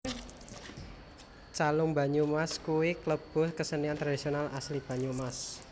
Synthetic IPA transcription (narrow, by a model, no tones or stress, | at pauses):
t͡ʃalʊŋba̤ɲumaskuwikləb̥ʊ̤hkəsəniant̪ɾad̪isionalaslib̥a̤ɲumas